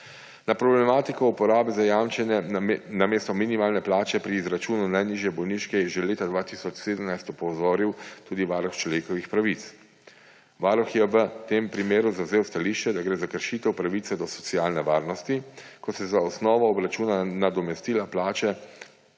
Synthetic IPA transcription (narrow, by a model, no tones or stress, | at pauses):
napɾɔblɛmaːt̪ikɔupɔɾaːbizajamt͡ʃɛnɛnameːst̪ɔminimaːlnɛplaːt͡ʃɛpɾiːzɾat͡ʃuːnunajniʒjɛbɔwniʃkɛjɛʒɛleːt̪ad̪ʋaːt̪isɔt͡ʃseːd̪əmnajst̪ɔpɔwzoːɾiwt̪uːd̪iʋaːɾɔxt͡ʃlɔʋeːkɔʋixpɾaʋit̪s | ʋaɾɔxjɛʋət̪eːmpɾimeːɾuzawzeːwst̪aliːʃt͡ʃɛd̪aɡɾeːzakəɾʃiːt̪ɛwpɾaʋit̪sɛd̪ɔsɔ̥t̪sijaːlnɛʋaːɾnɔst̪ikɔsɛzaɔsnɔːʋɔːbɾat͡ʃuːnanad̪ɔmɛst̪iːlaplaːt͡ʃɛ